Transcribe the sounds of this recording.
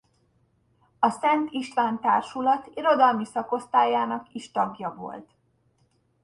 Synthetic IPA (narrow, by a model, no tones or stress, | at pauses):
ɒsɛnt̪iʃt̪ʋaːnt̪a̰ːrʃulɒt̪iɾo̞d̪ɒlmisɒko̞st̪aːjaːnɒkiʃt̪ɒɡjɒvo̞̰lt̪